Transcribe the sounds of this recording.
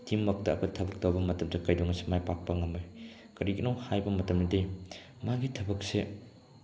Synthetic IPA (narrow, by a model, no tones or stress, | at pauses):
timːɐk̚tɐːkʰɐtʰɐbɐk̚towbɐmɐtɐmdɐkɐjdɔŋɐsemajpak̚pɐŋɐmoj | kɐɾiɡinowhajbɐmɐtɐmnɐde | maɡitʰɐbɐk̚se